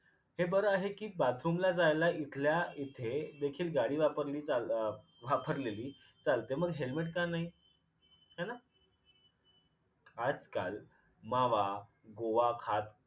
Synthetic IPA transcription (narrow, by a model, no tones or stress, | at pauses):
hebəɾəaɦekiːbat̪ʰɾumlad͡zajlaʔit̪ʰljait̪ʰed̪ekʰiːlɡaɽiːʋapəɾliːt͡sa | ʋapəɾleliː | t͡salt̪eməɡɦelmeʈkanaɦi | hana | ad͡zka̰l | maʋa | ɡoʋakʰat̪